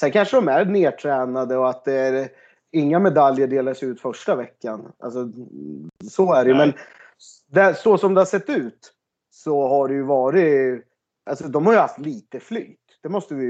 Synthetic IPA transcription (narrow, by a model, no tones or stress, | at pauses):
sɛnkʰanʂəɖɔmæɾneːʈʰɾɛːnad̪əɔat̪̚d̪ɛæɾ | ɪŋːamɛd̪aljəɖeːlaʂɛʉ̟ːt̪fœʂʈavɛkːanʔa̰lsɔ | sɔæɖɛjɵmɛn | d̪ɛsɔsɔmd̪ɛhaʂsɛt̪ːʉ̟ːt̪ | sɔɦaɖɛjɵvɑːɾɪ | ʔalsɔd̪ɔmhaɾjhaft̪liːt̪əfly̰ːt̪d̪̥ɛmɔst̪əvɪ